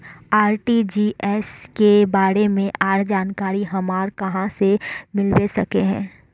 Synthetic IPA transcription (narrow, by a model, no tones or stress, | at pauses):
aːɾʈid͡ʒiːʔɛːskebaːɾemẽʔaːɾd͡ʒaːnkaːɾiɦɐmaːɾkɐɦãsemɪlwesɐkeɦɛ̰̃ː